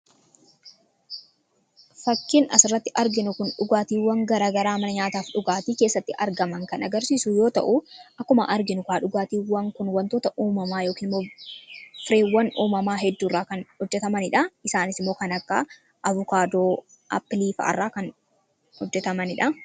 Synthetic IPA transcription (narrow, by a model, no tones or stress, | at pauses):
fɐkːɪnɐsɪrːɐt̪ːɪʔɐɾɡɪnʊkʊnᶑʊɡaːt̪iːwːɐŋɡɐɾaːɡɐɾaːmɐnɐɲaːt̪aːfᶑʊɡaːt̪iːke̞ːsːɐt̪ːɪʔɐɾɡɐmɐŋkɐnɐɡɐɾsiːsʊjo̞ːt̪ɐ̰ʔʊʔɐkːʊmɐ̰ʔɐɾɡɪnʊkaːᶑʊɡaːt̪iːwɐŋkʊnwɐnt̪oːt̪ɐʔuːmɐmaːjo̞ːkiːnmːoː | fɪɾeːwːɐnʔuːmɐmaːɦɛd̪ːuːrːaːkɐnhɔd͡ʒːɛt̪ɐmɐnɪᶑɐɪsaːnɪsɪmːo̞ːkɐnɐkːɐ | ʔɐvʊkaːd̪oː | ʔɐ̰pːɪliːfɐ̰ʔɐ̰rːaːkɐn | hɔd͡ʒːɛt̪ɐmɐnɪᶑɐ